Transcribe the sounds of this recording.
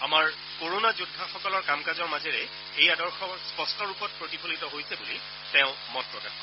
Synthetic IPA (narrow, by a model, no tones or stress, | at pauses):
amaɹ | koɹonazudʱːaxɔkɔlɔɹkamkazɔɹmazɛɹɛ | ejadɔɹxɔspɔstɔɹupɔt̚pɹotipʰolitɔɦojsɛbuli | tɛ̃ʊ̃mɔt̚pɹɔkaxɔ